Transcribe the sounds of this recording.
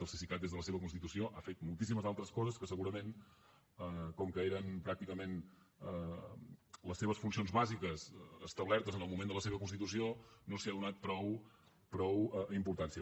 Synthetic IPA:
əlˠsisikat̪d̪ezðələseβəkunst̪it̪usioʔafet̪mulˠt̪isiməzalˠt̪ɾəskɔzəskəsəɣuɾəmen | əkɔmkəeɾənpɾak̚t̪ikəmen | ə | ləsːeβəsfuns̬ionzβazikəzəst̪əβlɛɾt̪əzənəlˠmumẽnd̪ələseβəkunst̪it̪usionosiaðunat̪̚pɾɔw | pɾɔwəimpuɾt̪ansiə

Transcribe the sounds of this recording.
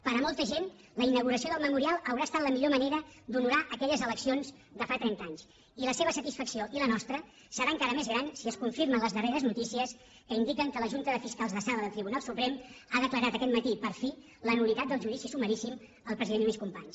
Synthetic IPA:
pəɾəmɔlˠt̪əʒen | ləinəɣ̞uɾəsioðəlˠməmuɾialˠəwɾaəst̪at̪ləmiʎoməneɾəd̪unuɾaʔəkɛʎəzələksionz | d̪əfat̪ɾɛnt̪aɲs | iləseβ̞əsət̪isfəksioʔilənɔst̪ɾə | səɾaːəŋkaɾəmezɣɾansiəskuɱfiɾmənləzðəreɾəznut̪isiəs | kəind̪ikəŋkələʒunt̪əðəfiskalˠzðəsaləðəlˠt̪ɾiβunalˠsupɾɛmaðəkləɾat̪əkɛt̪mət̪ipəɾfi | lənulit̪at̪d̪əlˠʒuðisisuməɾisim | əlˠpɾəziðeniskumpaɲs

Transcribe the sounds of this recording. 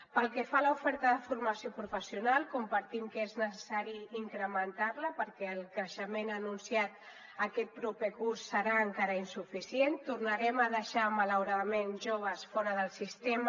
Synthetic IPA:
pəlˠkɛfaləufɛɾt̪əðəfurməsiopɾufəsiunalˠkumpəɾt̪imkəeznəsəsaɾiiŋkɾəmənt̪arləpəɾkɛəlˠkɾəʃəmenənunsiat̪̚ | əkɛt̪̚pɾupekursːəɾaːŋkaɾəinsufisient̪urnəɾɛməðəʃamələwɾaðəmenʒoβ̞əsfɔɾəðəlˠsist̪em

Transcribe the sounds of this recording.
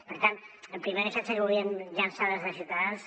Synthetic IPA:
pəɾt̪anəmpɾimeðəsɛt̪səuβiənʎansaðəzðəsiwt̪əðans

